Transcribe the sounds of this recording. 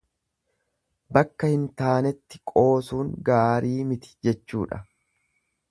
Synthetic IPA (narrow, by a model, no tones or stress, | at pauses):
bɐkːɐhɪnt̪aːnɛt̪ːɪ̥kʼo̞ːsuːŋɡaːɾiːmɪt̪ɪ̥d͡ʒɛt͡ʃːuːᶑɐ̰